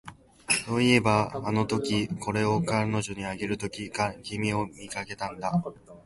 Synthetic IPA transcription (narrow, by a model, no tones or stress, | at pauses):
so̞ːie̞baːno̞t̪o̞kʲiko̞ɾe̞o̞kano̞ʑo̞ɲ̟iaɡe̞ɾɯ̟t̪o̞kʲikaɡʲimʲio̞mʲikake̞t̪ãnd̪a